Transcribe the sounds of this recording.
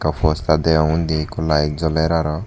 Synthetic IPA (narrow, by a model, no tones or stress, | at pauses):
kafɔst̪ad̪ɛɔŋũnd̪ekɔlaezɔlɛɾaɾɔ